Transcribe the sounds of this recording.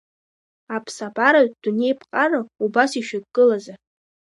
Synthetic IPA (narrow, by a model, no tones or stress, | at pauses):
apʰsabaɾaɥd̥une̞jpʰqʼanaubasiʃᶣakʼkʼɨlaza